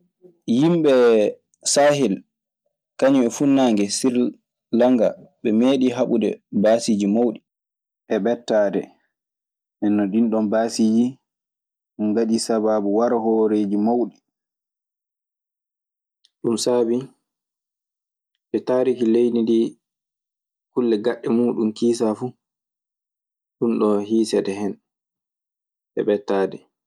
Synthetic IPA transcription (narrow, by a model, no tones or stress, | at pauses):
jimɓɛ | saːɦil | kaɲuɛfunːaːŋɡɛsiɾ | laŋɡaɓɛmeːɗiɦaɓudɛ̰baːsid͡ʒimawɗi | ʔɛɓɛtːaːdɛ̰ | ʔɛnːɔdinɗɔmbaːsiːd͡ʒi | ŋɡaɗisababuwaɾahɔɾeːd͡ʒimawɗi | ɗumsaːbi | ɓɛtaːɾikilejnidi | kulːɛɡaɗːɛmuːɗumkiːs̬afu | ɗunɗɔhiːsɛdɛhɛn | ʔɛ̰ɓɛtːaːdɛ